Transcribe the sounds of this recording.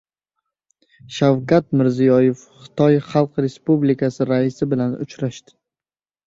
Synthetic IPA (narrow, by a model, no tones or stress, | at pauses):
ʃawkat̪mɪɾzijɒjefχɨ̥t̪ʰɒjχɑlˠqɾe̞spublikʰasɪɾaɪsɪbɪlanʊ̰t͡ʃɾaʃt̪ɪ̥